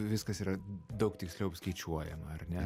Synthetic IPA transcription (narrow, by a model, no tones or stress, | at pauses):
ʋʲɪskɐsiːɾɐd̪ɒʊkt̪ʲɪksʲlʲɛʊpskɛɪt͡ʃʲuɔjɛ̰mɐɐrnʲɛ